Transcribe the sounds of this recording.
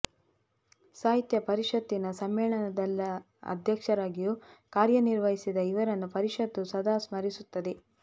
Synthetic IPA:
saːɦit̪jɐpɐɾiʂɐt̪ːinɐsɐmːɛːɭɐnɐd̪ɐlːɐ | ɐ̰d̪ʱjɐkʂɐɾaːɡijuːkaːɾjɐniɾʋɐɦisid̪ɐiʋɐɾɐnːupɐɾiʂɐt̪ːusɐd̪ʱaːsmɐɾisut̪ːɐd̪e

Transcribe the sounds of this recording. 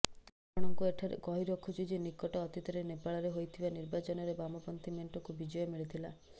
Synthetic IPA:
apɔɽ̃ɔŋkueʈʰaɾḛkɔɦiɾɔkʰːɔt͡ʃʰid͡ʒenikɔʈɔːt̪it̪ɔɾenepaɭɔɾeɦojt̪ʰibaniɾbat͡ʃɔnɔɾebamɔpɔnt̪imeɳʈɔkubid͡ʒɔjɔmiɭit̪ʰila

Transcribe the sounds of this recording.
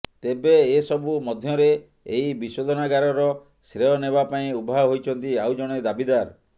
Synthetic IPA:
t̪ebeːsɔbumɔd̪ʱjɔɾeː | ɦibisod̪ʱɔnaɡaɾɔɾɔ | sɾeɔnebapaĩubʱaɔɦojt͡ʃʰɔnt̪iawd͡ʒɔɽ̃ed̪abid̪aɾ

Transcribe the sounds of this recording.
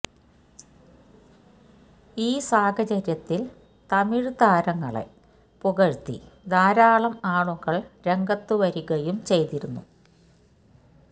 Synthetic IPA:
iːsaːkɐt͡ɕɐɾjɐt̪ːil | t̪ɐmiɻɨt̪aːɾɐŋːɐɭḛ | puɣɐɻt̪ḭd̪aːɾaːɭɐmaːɳuŋɡɐɭɾe̞ŋɡɐt̪ːuʋɐɾuɣɐjumt͡ɕe̞jt̪iɾunːṵ

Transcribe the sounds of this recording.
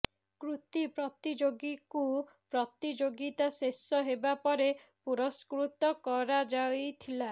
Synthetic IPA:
kɾut̪ipɾɔt̪id͡ʒoɡiku | pɾɔt̪id͡ʒoɡit̪asesɔɦebapɔɾepuɾɔskɾut̪ɔkɔɾad͡ʒajt̪ʰila

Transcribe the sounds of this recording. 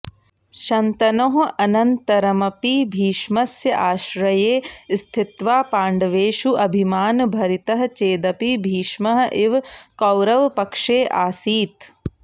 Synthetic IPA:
ʃɐnt̪ɐnoːɦʔɐnɐnt̪ɐɾɐmɐpibʱiːʃmɐsjɐʔaːʃɾɐjeːst̪ʰit̪ʋaːpaːɳɖɐʋeːʃuʔɐbʱimaːnbʱɐɾit̪ɐɦɐ̆t͡ʃeːd̪ɐpibʱiːʃmɐɦɐʔiʋkɐwɾɐʋpɐkʂeːʔaːsiːt̪

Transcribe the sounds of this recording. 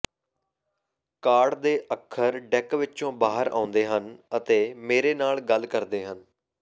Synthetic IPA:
kaːɖd̪eːʔəkʰːəɾɖɛkʋɪt͡ʃõːbaːɦəɾa̰ːʊ̃nd̪eːɦənət̪eːmeːɾeːnaːlɡəlkəɾd̪eːɦən

